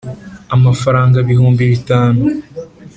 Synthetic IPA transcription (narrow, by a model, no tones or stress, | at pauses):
amafaɾaːŋɡaβihuːmbiβitaːnu